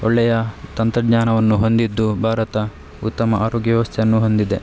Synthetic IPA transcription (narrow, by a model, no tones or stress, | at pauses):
ɔɭːɛjɐt̪ɐnt̪ɾɐdɲaːnɐʋɐnːuɦo̞nd̪id̪ːubʱaːɾɐt̪ɐ | ut̪ːɐmɐʔaːɾoːɡjɐʋʋɐst̪ʰjɐnːuɦo̞nd̪id̪e